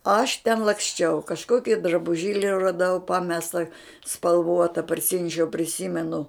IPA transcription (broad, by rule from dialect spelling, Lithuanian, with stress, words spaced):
ɐʃ tʲɛn lˠɐksʲˈt͡ʃʲɛʊ kɐʃˈkoːkʲɪ drɐbʊˈʒʲeːlʲɪ rɐˈdɐʊ ˈpɑːmʲɛstɐ spɐlˠˈʋuɔtɐ pɐrʲˈsʲɪnʲɛʃʲɛʊ pʲrʲɪˈsʲiːmʲɛnʊ